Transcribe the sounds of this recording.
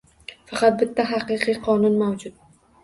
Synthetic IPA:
fɑqʰɑt̪̚bɪt̪ʰːaɦɑqɨqʰɨjqʰɒnʊnmawd͡ʒʊt̪̚

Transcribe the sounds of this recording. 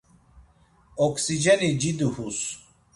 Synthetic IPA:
ɔksid͡ʒɛnid͡ʒid̪uhus

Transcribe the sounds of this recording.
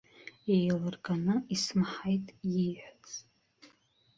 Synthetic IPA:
ejlɨrɡʼanɨismħajtʼjiħʷᶣat͡sʼ

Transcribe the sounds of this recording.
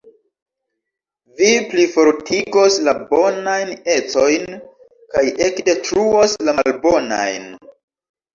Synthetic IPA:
viplifo̞ɾtiɡo̞slabo̞najne̞t͡so̞jn | kaje̞kde̞tɾuo̞slamalbo̞na̰jn

